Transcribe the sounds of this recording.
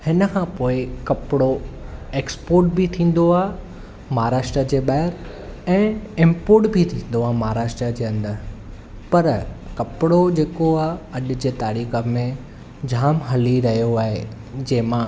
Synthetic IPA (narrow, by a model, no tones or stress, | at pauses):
hɪnəkʰãːpoːɪkɐpɪɽoeːkspoːɾʈ̚bit̪ʰĩːn̆d̪oaː | mɐɦaɾaːʃʈɾəd͡ʑeːɓaːɦɪɾ | ɛ̃ːɪ̃mpoːɾʈbʱit̪ʰĩːn̆d̪oaːmaɦaɾaːʃʈɾəd͡ʑeːɐ̃nd̪əɾ | pɐɾkɐpɪɽod͡ʑeːkoaːɐɗ̆d͡ʑeːt̪aːɾiːxə̆mẽ | d͡ʑʱaːmɦɐliɾɐɦijoaːɦḛ | d͡ʑɐːɦɪ̃mã